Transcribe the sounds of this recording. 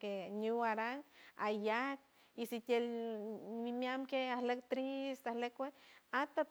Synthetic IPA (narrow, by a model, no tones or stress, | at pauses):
keɲuwaɾaŋajak̚ | isit̪el | mimjamkeahlekt̪ɾist̪ahlekweat̪a